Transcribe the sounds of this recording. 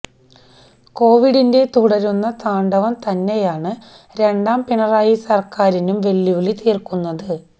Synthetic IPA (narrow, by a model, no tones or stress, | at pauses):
ko̞ːʋiɽinde̞t̪uɽɐɾunːɐt̪aːɳɖɐʋɐmt̪ɐnːe̞jaːɳɨ | ɾe̞ɳɖaːmpinɐraːjisɐrkaːɾinumʋe̞lːiʋiɭit̪iːrkunːɐðɨ